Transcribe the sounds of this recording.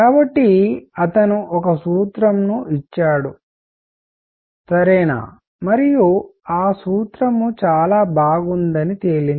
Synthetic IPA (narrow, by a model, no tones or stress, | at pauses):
kaːbɐʈːiɐt̪ɐnuʔɔkɐsuːt̪ɾɐmnuʔit͡ʃːaːɽu | sɐɾɛːna̰ː | mɐɾijuaːsuːt̪ɾɐmut͡ʃaːlaːbaːɡund̪ɐnit̪eːlin